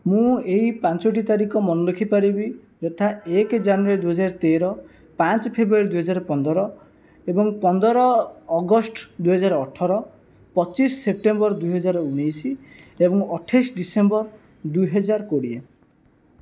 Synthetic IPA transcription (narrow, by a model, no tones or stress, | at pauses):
mũeɦipãnt͡ʃɔʈ̬it̪aɾikɔmɔnɔlekʰipaɾibi | d͡ʒɔt̪ʰaekd͡ʒanuaɾid̪uɦɔd͡ʒaɾt̪eɾɔ | pãt͡ʃɔpʰebɾuaɾid̪ujɦɔd͡ʒaɾɔpɔnd̪ɔɾɔ | ebɔŋpɔnd̪ɔɾɔːɡɔsʈd̪ujɦɔd͡ʒaɾɔʈʰɔɾɔ | pɔt͡ʃisːep̚ʈembɔɾd̪ujɦɔd͡ʒaɾɔunijsiebɔŋɔʈʰasɖisembɔɾ | d̪uɦɔd͡ʒaɾkoɽie